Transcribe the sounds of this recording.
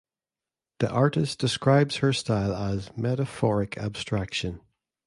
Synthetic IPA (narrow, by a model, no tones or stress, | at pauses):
ðḭʔaɹʔɪsd̥ɪskɹaɪbz̥hə˞stʰaɪlˠəzmɛɾəfɔɹɪkʰa̰b̥stɹ̥akʃə̃n